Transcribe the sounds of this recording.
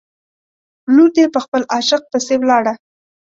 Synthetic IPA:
luɾd̪epəxpəlɑʃɪq̚p̪əsewlɑɽa

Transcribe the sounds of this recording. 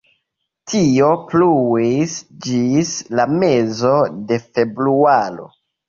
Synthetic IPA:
tʰio̞pluisd͡ʒislame̞zo̞de̞fe̞bɾualo̞̰

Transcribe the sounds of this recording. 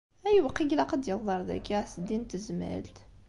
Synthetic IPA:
æjwqːiɡlæqəd̪jəlðˤɑɾˤðæ̰kːæsəd̪int̪əzmæ̰lt̪

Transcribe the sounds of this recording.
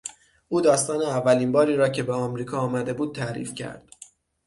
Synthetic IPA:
ʔuːd̪ɒːst̪ɒːneævːæliːnbɒːɾiːɾɒːcʰe̞beɒmɾiːkʰɒːmæd̪e̞buːd̪̥̚t̪ʰæɾḭːfcʰæ̰ɾd̪̥

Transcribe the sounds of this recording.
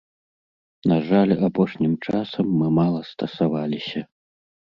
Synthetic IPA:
naʐalʲapɔʂnʲimt͡ʂasɐmːɨmalˠɐst̪ɐsavalʲisʲɐ

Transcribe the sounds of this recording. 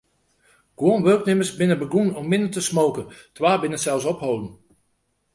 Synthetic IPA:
ɡ̥woənʋørknɪməsbɪnəbəɡunɔmːɪndətəsmoːkəntʰʋaːbɪnəsɛlˠsɔpɦowdən̩

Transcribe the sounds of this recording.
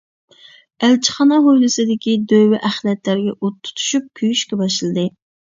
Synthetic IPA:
ælt͡ʃʰɪ̥χɑnɑɦojlˠɨsɨd̪ɪkʲid̪øwɪʔæχlɛt̪læɾɡʲɛʔot̪ʰːu̥t̪ʰu̥ʃyp̚kʲʰyjyʃkʲɛbɑʃlˠɨd̪ɨ

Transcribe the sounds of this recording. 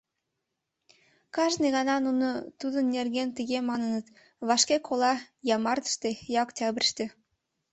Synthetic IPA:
kɑʒnɨjɣɑnɑnunət̪ud̪ənːerɡʲent̪iɣemɑnənə̆t̪ | βɑʃkʲekʰolˠɑ | jɑmɑrd̪ə̥ʃt̪ejɑoktʲɑbʲrʃt̪ĕ

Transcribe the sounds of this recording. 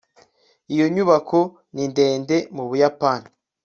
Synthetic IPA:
ijo̞ɲuβakʰo | nindeːnde̞muβujapani

